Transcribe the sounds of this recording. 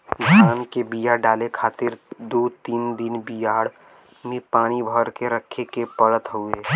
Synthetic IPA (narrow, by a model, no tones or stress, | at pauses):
ɡʱaːnkebijaɖaːlekʰaːt̪ɪɾd̪oːt̪iːnd̪ɪnbijaːɽ | mẽpaːnibʱəɾkeɾəkʰːekepəɽət̪ɦueː